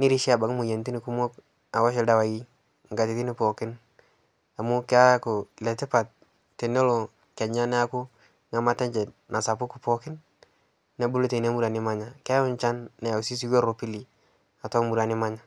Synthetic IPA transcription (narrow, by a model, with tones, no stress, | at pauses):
ni˦ɾi˦ʃi˦a˨ba˨ŋ˦mu˨je˨nti˦ni˨ku˦mo˦k | a˨wa˦ʃɛ˨da˨wa˨ji˦ | ŋɡa˨ti˨ti˦nɪ˦po˨kɪ˦n | a˨mʊ˦ka˦kʊ˨lɛ˨tɪ˦pa˨t̚ː | e˨no˦lo˨ | kɛ˨ɲa˦nɛ˦a˦kʊ˦ | ŋa˦ma˦tɛ˦ɲd͡ʒɛ˨tna˨sa˨pʊ˦ku˨pɔ˦kɪ˦nː | ɛ˦bu˦lo˦te˨ne˦mu˦ɾa˨nɪ˦ma˦ɲa˨ka˦ʊ˦nt͡ʃa˦nːɛ˨a˨u˨si˦s̬i˦ɡo˦ɾo˨pi˦li˨ | a˨tɔ˦mu˨ɾa˨nɪ˦ma˦ɲa˨